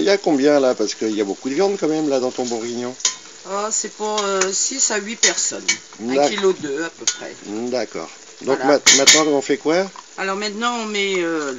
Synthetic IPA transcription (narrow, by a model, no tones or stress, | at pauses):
iljakɔ̃bjɛ̃lapaʁsə̥kəiljabokud̪əvjɑ̃d̪kɑ̃mɛmlad̪ɑ̃t̪ɔ̃bɔ̃ʁiɲɔ̃ | asɛpuʁøsisaɥipɛʁsɔñ | d̪ailod̪øapøpχɛ̰d̪akɔ̰ːʁ | d̪ɔ̃mɛ̃mɛ̃t̪nɑ̃kɔ̃fɛkwaalɔʁmɛ̃t̪nɑ̃ɔ̃mɛø